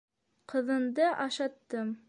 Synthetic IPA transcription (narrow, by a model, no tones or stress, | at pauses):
qɤ̆ðɤ̆nd̪ɤʔɑʃɑt̪ːɤm